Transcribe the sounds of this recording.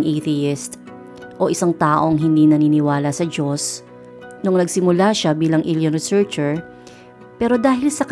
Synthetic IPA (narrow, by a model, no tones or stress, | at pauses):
ŋʔiθɪɪst̪ | ʔo̞ʔɪsaŋt̪aːʔo̞ŋɦɪnd̪inɐninɪwaːlɐsɐd͡ʒo̞s | nʊŋnɐɡsɪmʊlaʃabiːlɐŋʔɪljonɾɪsɛɹt͡ʃɛɹ | pɛːɾo̞d̪aːhɪlsɐk